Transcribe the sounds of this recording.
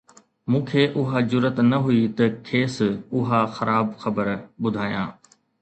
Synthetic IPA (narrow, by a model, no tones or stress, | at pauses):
mũːkʰeːʔʊɦad͡ʑʊɾət̪nɐɦʊit̪ɐkʰeːsʊɦaxɐɾaːbxɐbəɾɓʊd̪ʱaːjã̰ː